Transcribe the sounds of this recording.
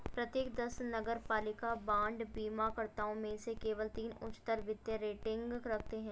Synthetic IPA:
pɾɐt̪jeːkd̪ɐsnɐɡəɾpaːlɪkabãːɳɖbiːmakɐɾt̪aːõmẽsekeːʋəlt̪iːnʊ̰t͡ʃt̪əɾʋɪd̪jəɾeːʈɪ̃ŋɡɾɐkʰt̪eɦɛ̃ː

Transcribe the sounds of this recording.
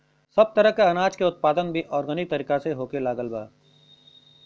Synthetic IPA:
sɐb̚t̪ɐɾəɦkaɐnaːd͡ʒkeʊt̪̚paːd̪ənbʱiʔɔːɾɡənɪk̚t̪ɐɾiːkaseɦoːkelaːɡəlba̰ː

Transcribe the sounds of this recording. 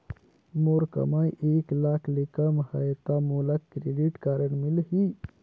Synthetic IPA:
moɾkɐ̰majʔeːklaːkʰlikəmhɐjt̪amulakkɾeɖiʈkaːɾəɳmilɦi

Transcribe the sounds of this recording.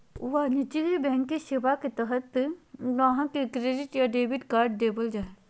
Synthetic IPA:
ʋaːnɪt͡ʃiɡibɛ̃ːŋkiʃeʋaket̪əɦət̪ʋɐɦãkekɾeːɖɪʈjaɖeːbɪʈkaːɾɖ̚ːeːbəld͡ʒaːe

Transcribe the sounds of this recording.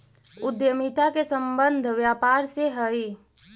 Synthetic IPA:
ʊd̪jəmit̪akesə̃mbə̃nd̪ʱʋjaːpaːɾseɦəi

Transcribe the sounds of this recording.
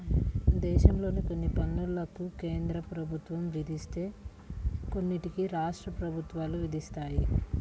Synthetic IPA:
d̪ɛːʃɐmlo̞ːniko̞nːipɐnːulɐkuke̞ːnd̪ɾɐpɾɐbʱut̪ʋɐmʋid̪ist̪e̞ː | ko̞nːiʈikiɾaːʂʈɾɐpɾɐbʱut̪ʋaːluʋid̪ʱist̪aːji

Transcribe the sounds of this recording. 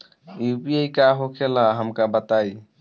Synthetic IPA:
jupiejkaɦokʰelaɦəmkabət̪aj

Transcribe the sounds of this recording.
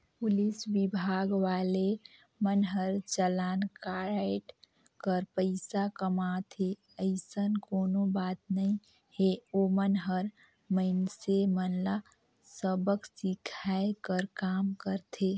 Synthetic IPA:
pʊliswɪbʱaːɡʋale | mənɦəɾt͡ʃəlaːnkaɾaʈ | kəɾpəɪsakəmat̪ʰe | əɪsənkoːnobaːt̪nəĩ | heomənɦəɾ | məɪnsemənla | səbəksɪkʰaekəɾkaːmkəɾt̪ʰe

